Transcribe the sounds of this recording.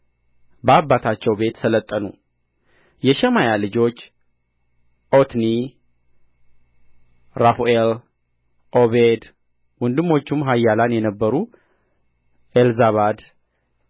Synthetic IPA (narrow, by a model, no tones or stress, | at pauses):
bəabːat̪ʰat͡ʃːɛwbe̞t̪sələt̪ʼːənu | jɛʃɛmajalɨd͡ʒo̞t͡ʃː | ʔo̞t̪ni | ɾafuel | ʔoβed̪ | wɔnd̪ɨmːo̞t͡ʃːumɦajːalanjɛnəbːəɾu | ʔelzaβad̪